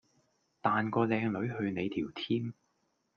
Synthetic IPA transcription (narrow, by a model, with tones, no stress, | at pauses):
t̪aː˨˧nkɔː˧lɛː˧ŋlɵ˨˧˥ɥhɵ˧ɥne˨˧jt̪ʰiː˨˩wt̪ʰiː˥m